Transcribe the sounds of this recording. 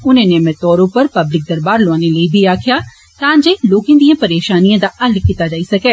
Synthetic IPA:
ʊnẽːnemɛ̃ːt̪ɔːɾõːpəɾpəblɪk̚d̪əɾbaːɾloãːneləibʱiːaːkʰjaː | t̪ãːɲd͡ʒeːloːkẽːd̪ijãːpəɾeːʃaːnijãːd̪aːʔəlkit̪aːd͡ʒaːisɐkɛː

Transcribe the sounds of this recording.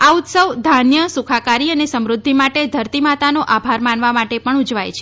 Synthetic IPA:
aut̪səʋd̪ʱanjəsukʰakaɾiənesəmɾʊd̪ʱːimaʈed̪ʱəɾt̪imat̪anoʔabʱaɾmanʋamaʈepəɳud͡ʒʋa̰jt͡ʃʰe̥

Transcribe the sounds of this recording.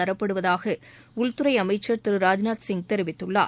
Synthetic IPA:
ɐɾɐpːɐɽɯʋɐðaːɣɐ | ʊɭt̪ɯɾɐɪɐmɐɪt͡ʃːɐɾt̪ɪɾɯɾaːd͡ʒnaːt̪sɪŋɡ̚t̪ɛɾɪʋɪt̪ːɯɭːaː

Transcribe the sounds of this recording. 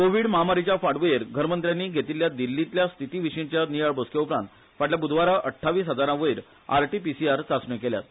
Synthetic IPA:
koʋiːɽməɦamaɾit͡ɕjafaɽʋəjeɾɡʱəɾmənt̪ɾjanːiːɡʱet̪iljad̪ilːit̪ljast̪ʰit̪iːʋiɕint͡ɕjanijaɭboskjeupɾãnt̪ | faɽljabud̪ʱʋaɾaʔəʈʰːaʋiːsɦəd͡zaɾãʋəiɾ | a̰ɾʈipisiaɾt͡sasɳẽkelja̰t̪

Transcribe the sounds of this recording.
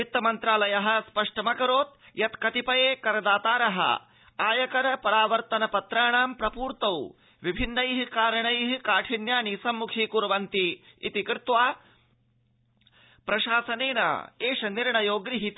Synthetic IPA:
it̪ːɐmɐnt̪ɾaːlɐjɐɦɐ̆spɐʂʈɐmɐkɐɾoːt̪̚ | jɐt̪kɐt̪ipɐjeːkɐɾɐd̪aːt̪aːɾɐɦɐ̰ | aːjɐkɐɾɐpɐɾaːʋɐɾt̪ɐnɐpɐt̪ɾaːɳaːmpɾɐpuːɾt̪ɐw | ʋibʱinːɐjɦikaːɾɐɳɐjɦikaːʈʰinjaːnisɐmːukʰiːkuɾɐʋɐnt̪i | ḭt̪ikɾt̪ʋaː | pɾɐʃaːsɐneːɳɐ̰eːʃɐniɾɳɐjoːɡɾiɦit̪

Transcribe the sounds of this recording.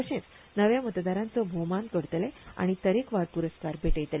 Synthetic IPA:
əɕẽt͡s | nəʋjamət̪d̪aɾãnt͡səbʱomankəɾt̪lea̰ɽ̃it̪əɾekʋaɾpuɾəskaɾbʱeʈəjt̪le

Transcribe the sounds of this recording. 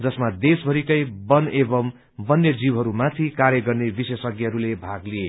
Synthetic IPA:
d͡zʌsmad̪esbʱʌɾikʌjbʌnebʌm | bʌnːjʌd͡ziwɦʌɾumat̪ʰikaɾjʌɡʌrnebisesʌɡiɦʌɾulebʱaɡlie

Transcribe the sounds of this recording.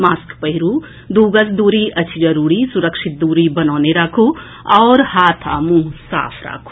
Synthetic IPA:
maːskpɐɦɪɾuː | d̪uːɡəsd̪uːɾiʔɐt͡ʃʰd͡ʒɐɾuːɽisʊɾəkʃɪt̪̚d̪uːɾibɐnɔːneɾaːkʰo | ɔːɾhaːt̪ʰa̰ːmũːsa̰ːpʰɾa̰ːkʰo̥

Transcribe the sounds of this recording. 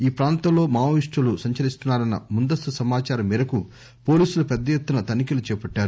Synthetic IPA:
iːpɾaːnt̪ɐmlo̞ːmaːʋʋiʂʈɐlusɐɲt͡ʃɐlist̪unːaːɾɐnːɐ̰mund̪ɐst̪usɐmaːt͡ʃaːɾɐmːiːɾɐku | po̞ːliːsulupɛd̪ːɐjet̪ːunɐt̪ɐnikilut͡ʃɛːpɐʈːaːɾu

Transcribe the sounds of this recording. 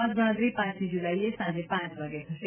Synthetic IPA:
ə̃t̪ɡʱəɽə̃t̪ɾipãːt͡ʃĩd͡ʒulaːiesãd͡ʒepãt͡ʃʋaɡekʰt

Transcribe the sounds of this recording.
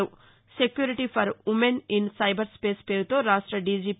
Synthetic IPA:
u | sekjuːɾiʈipʰɐɾumeninsɐjbɐɾspeːspeːɾut̪oːɾaːʂʈɾɐɖiːd͡ʒiːp

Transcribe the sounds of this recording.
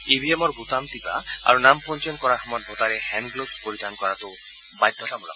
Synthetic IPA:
ibiemɔɾɡut̪amt̪ipa̰a̰ɾunampɔnt͡ʃɔnkɔɾaxɔmaɾbʱot̪aɾehɛnɡlospoɾid̪ankɔɾat̪o | bajd̪ʱːɔtabɔla̰

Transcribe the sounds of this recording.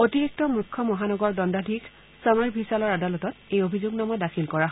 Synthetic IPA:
otiɹik̚tɔmɹukʰːɔmɔɦanɔɡɔɹdɔndadʱik | samaɹbʱisalɔɹadalɔtɔtejobʱizʊɡnamɔdakʰilkɔɹaɦ

